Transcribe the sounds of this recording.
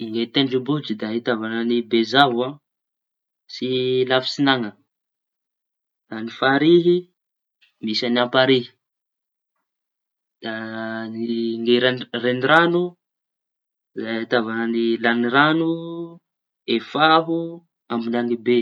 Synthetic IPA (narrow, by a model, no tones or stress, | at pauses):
iŋɡet̪eɳɖ͡ʐubud͡ʒid̪aɦit̪avananibezava | silafi̥sinaŋə | d̪anifaɾiɦi | misaniampaɾiɦi̥ | d̪̥aniŋɡeɾareniɾanu | zait̪avananilaniɾanu | efaɦu | ambinaŋibe